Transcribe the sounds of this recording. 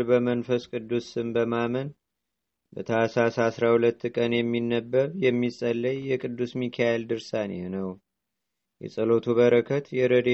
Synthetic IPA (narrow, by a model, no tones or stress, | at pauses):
bəmənfəskʼɨd̪ːusɨmbəmamən | bət̪ʰəasɾasasɾahulət̪ːkʼənjɛmːinːəbːəɾjɛmːisʼəlːəjːɛkʼɨd̪ːusmikʰajeld̪ɨɾsanḛhnəw | jɛ̰sʼəlo̞t̪ʰuβəɾəkʰət̪jɛɾəd̪e